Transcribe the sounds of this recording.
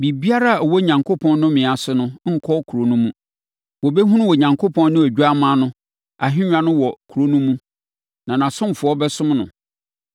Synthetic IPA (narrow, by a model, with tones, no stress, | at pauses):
bi˨bi˦a˦ɾa˦a˨ɔ˨wɔ˦ɲã˨ŋkʰo˦pʰɔ̃˦nnʊ̃˦mɪ̃˨a˨sʊ˨nʊ̃˦ŋ̩˦kʰɔ˦kʰu˨ɾo˨nũ˦mũ˦ | wɔ˨bɛ˦ɦũ˦nʊ̃˦wɔ˨ɲã˨ŋkʰo˦pʰɔ̃˦nnʊ̃˦æ˨d͡ʑᶣu˦a˦mã˦nʊ̃˦ | a˨ɦɪ̃˦ɲᶣ˦ã˨nʊ̃˦wɔ˨kʰu˨ɾo˦nũ˦mũ˦ | nã˨nã˨sʊ̃˦m˨fʊ˨˦ɔ˦bɛ˦sʊ̃˦mnʊ̰̃˨